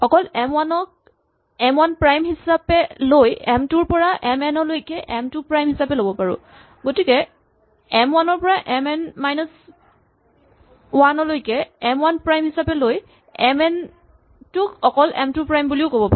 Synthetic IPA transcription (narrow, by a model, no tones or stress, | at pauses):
xɔkɔlɛmwanɔk̚ | ɛmwanpɹajmhisapɛlojɛmtʊɹpɔɹaʔɛmɛnɔlojkɛʔɛmtupɹajmhisapɛlobɔpaɹʊ̰ | ɡotikɛ | ɛmwanɔɹpɔɹaʔɛmɛnmajnɔs | wanɔlojkɛɛmwanpɹajmhisapɛloj | ɛmɛn | tʊkɔkɔlɛ̰mtupɹajmbuliʊkobɔpa